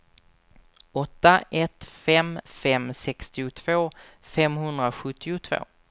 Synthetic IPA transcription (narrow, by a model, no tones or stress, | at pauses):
ɔt̪ːaʔɛt̪fɛmfɛmsɛkst̪ɪʊt̪ʰv̥oː | fɛmɦɵnd̪ɾaɧɵt̪ʰːɪʊt̪ʰv̥o̰ː